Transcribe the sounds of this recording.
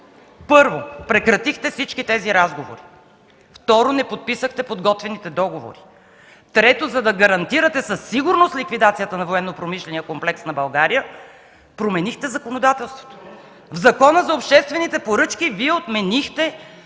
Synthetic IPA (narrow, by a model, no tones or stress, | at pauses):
pɤɾvopɾɛkɾɐt̪ixt̪ɛfsit͡ʃkit̪ɛziɾazɡovo̰ɾi | ft̪ɔɾonɛpot̪̚pisəxt̪ɛpod̪ɡɔt̪vɛnit̪ɛd̪ɔɡovo̰ɾi | t̪ɾɛt̪ozɐd̪ɐɡɐɾɐnt̪iɾət̪ɛsɐsːiɡʊɾnost̪lʲikvid̪at̪sijət̪ənɐvoɛnːopɾomiʃlɛnijəkomplɛksnɐbɐlˠɡaɾijə | pɾomɛnixt̪ɛzɐkonod̪at̪ɛlˠst̪vo̥t̪o̥ | vzɐkɔnəzɐopʃt̪ɛst̪vɛnit̪ɛpoɾɤt͡ʃkiviɛot̪mɛnixt̪ɛ